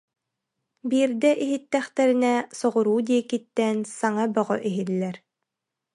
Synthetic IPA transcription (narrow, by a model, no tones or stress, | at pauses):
biːɾd̪ɛʔiɦit̪ːɛχt̪ɛɾinɛsɔʁuɾuːd̪iɛkit̪ːɛnsaŋabœʁɔʔiɦilːɛɾ